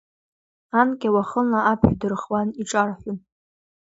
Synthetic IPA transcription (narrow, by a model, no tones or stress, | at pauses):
ankʲʼawaχənaapʰħdɨrχwaniʈ͡ʂʼarħum